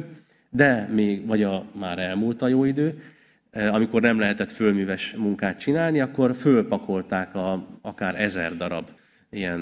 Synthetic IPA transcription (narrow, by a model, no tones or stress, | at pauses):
d̪ɛmeːɡvɒɟɒmaːɾɛlmult̪ɒjoːid̪øː | ɒmiko̞rnɛmlɛɦɛt̪ɛt̪følmyːvɛʃmuŋkaːt̪t͡ʃinaːlniɒkːo̞rfølpɒkʰo̞lt̪aːkɒɒkaːɾɛzɛ̰rd̪ɒɾɒ̰b | ijɛn